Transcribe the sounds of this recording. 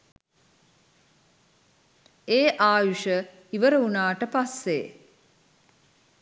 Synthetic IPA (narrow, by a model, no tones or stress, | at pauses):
eːʔaːjuʃə | iʋəɾəunaːʈəpasːḛ